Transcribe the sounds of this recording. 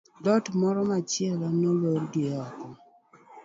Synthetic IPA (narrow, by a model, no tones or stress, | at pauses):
dɔtmɔɾɔmat͡ʃɪɛlanoloɾɡeɔkɔ